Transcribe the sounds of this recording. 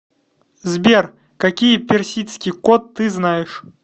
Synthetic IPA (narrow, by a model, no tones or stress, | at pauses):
zbʲer | kɐkʲijəpʲɪrsʲit̪skʲijkot̪ːɨznajɪʂ